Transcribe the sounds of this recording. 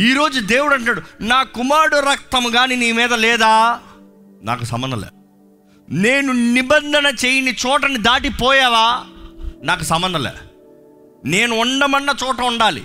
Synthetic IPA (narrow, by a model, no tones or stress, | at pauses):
iːɾo̞ːd͡ʒud̪e̞ːwuɽɐɳʈunaːɽunaːkumaːɽuɾɐk̚t̪ɐmɡaːniniːmiːd̪ɐlɛːd̪aː | na̰ːkusɐ̰mbɐnd̪ɐ̰lḛː | neːnunibɐnd̪ʱɐnɐt͡ʃeːjinit͡ʃɔːʈɐnid̪aːʈipɔːjaːʋaː | naːk̬usɐmbɐnd̪ɐlḛː | ne̞ːnuɔɳɖɐmɐnːɐt͡ʃɔːʈɐuɳɖaːlḭ